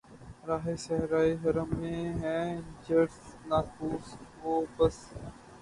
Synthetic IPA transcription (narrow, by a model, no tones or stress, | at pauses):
ɾaːɦesɐɦɾaːiɦɐɾəmːẽɦɛ̃ːd͡ʒɐɽsnaːkuːsɦoːbɐs